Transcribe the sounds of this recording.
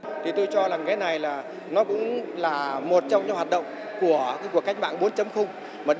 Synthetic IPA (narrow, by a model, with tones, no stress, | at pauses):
t̪ʰi˨˩t̪u˧jt͡ɕɔ˧zaː˨˩ŋkaː˨˦jna˨˩jlaː˨˩ | nɔ˨˦kʊ̰˧˥ŋ͡mlaː˨˩mo˨˩t̚t͡ɕɔ˧wŋ͡mɲɨ̰˧˥haː˨˩t̚ɗə̰˧˨wŋ͡m | ku˧˩ə˦ku˧˩əka˨˦˥k̟̚ɓa̰ː˧˨nɓo˨˦ənt͡ɕə˨˦mxʊ˧ŋ͡m | maː˨˩ɗ